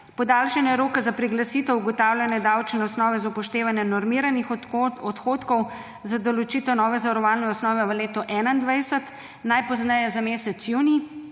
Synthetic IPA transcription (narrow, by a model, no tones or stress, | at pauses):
pɔd̪alʃɛnjɛɾoːkɛzapɾiɡlasit̪ɛwuɡɔt̪aːwlʲjanɛd̪awt͡ʃnɛɔsnɔːʋɛzaupɔʃt̪eːʋanjɛnɔɾmiɾanixɔt̪xoːt̪kɔw | zad̪olot͡ʃiːt̪ɛnɔːʋɛzaʋɐɾɔʋaːlnɛɔsnɔːʋɛʋəleːt̪ɔʔɛːnaind̪ʋajsət̪ | najpɔznɛjɛzameːsɛt̪sjuːni